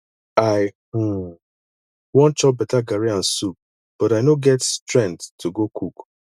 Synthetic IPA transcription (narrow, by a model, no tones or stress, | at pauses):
aɪ | wɔ̃nt͡ʃɔp̚bɛtaɡaɾiãn̩sup̚ | b̥ɔɾaɪnoɡɛtstɾɛ̃nttʰːuɡokʰuk